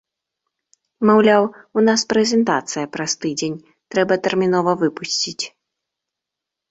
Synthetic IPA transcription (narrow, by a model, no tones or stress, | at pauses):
mawlʲawunaspɾɛzʲɛnt̪at̪sɨjɐpɾɐst̪ɨd͡zʲenʲ | t̪ɾɛbɐt̪ɛrmʲinɔvɐvɨpusʲt͡sʲit͡sʲ